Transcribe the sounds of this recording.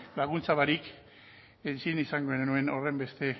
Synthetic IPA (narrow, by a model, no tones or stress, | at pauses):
laɣ̞unt͡saβaɾik | ent͡sinisaŋɡoenue̞no̞re̞mbe̞st̪e̞